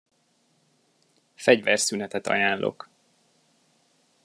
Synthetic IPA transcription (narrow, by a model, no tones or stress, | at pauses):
fɛɟvɛrsynɛt̪ɛt̪ɒ̰jaːnlʔo̰k